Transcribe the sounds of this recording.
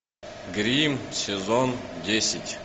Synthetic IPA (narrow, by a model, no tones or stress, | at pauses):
ɡɾʲimsʲezondʲesʲɪtʲ